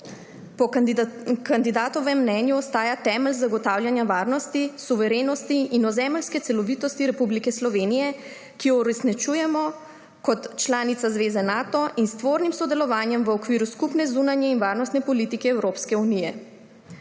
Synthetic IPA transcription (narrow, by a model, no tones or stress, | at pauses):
pɔ | kand̪id̪aːt̪ɔʋɛmːnɛnjuɔst̪aːjat̪ɛːmɛlzaɡɔt̪awljanjaʋaːɾnɔst̪isuʋɛɾeːnɔst̪iinɔzɛːməlskɛt̪sɛlɔʋit̪ɔst̪iɾɛpublikɛslɔʋeːnijɛ | kijɔuɾɛsnit͡ʃujɛmɔ | kɔt̪t͡ʃlaːnit̪sazʋeːzɛnaːt̪ɔʔinst̪ʋoːɾnimsɔd̪ɛlɔʋaːnjɛmʋəɔkʋiːɾuskupnɛzunanjɛinʋaɾnɔst̪nɛpɔlit̪ikɛːwɾoːpskɛunijɛ